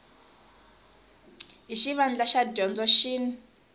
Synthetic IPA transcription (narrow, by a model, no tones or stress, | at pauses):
ɦiʃiβand͡ɮaʃadɔnd͡zɔʃin